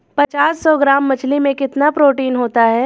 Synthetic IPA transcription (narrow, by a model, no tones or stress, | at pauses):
pɐt͡ʃaːsːɔɡɾaːmːɐt͡ʃʰlimẽkɪt̪napɾoːʈiːnɦoːt̪aɦɛː